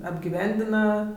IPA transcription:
ɐbʲɡʲɪˈʋʲɛnʲdʲɪnɐ

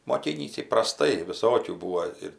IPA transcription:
moːˈkʲiːnʲiːsʲɪ prɐˈstɐɪ ʋʲɪˈsoːkʲuː ˈbuːʋoː ɪr

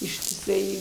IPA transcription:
ɪʃʲtʲɪˈsɐɪ

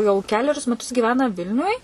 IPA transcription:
jɛʊ ˈkʲæːlʲɛrʲʊs mʲɛˈtʊs ɡʲiːˈʋʲæːnɐ ˈʋʲɪlʲnʲʊj

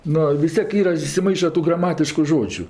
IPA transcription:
ˈnoː ʋʲɪs ˈtʲiɛk ˈiːrɐ ɪsʲɪˈmɐɪʃɐ ˈtuː ɡrɐˈmɑːtʲɪʃkʊ ʒoːd͡ʒʲʊ

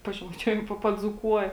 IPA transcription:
pɐʒʲɛmɐɪˈt͡ʃʲuɔjɛm ˈpɐ pɐˈd͡zuːkuɔjɛ

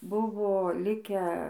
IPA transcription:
ˈbʊʋoː ˈlʲɪkʲæː

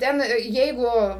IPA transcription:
ˈtʲɛn ˈjɛɪɡʊ

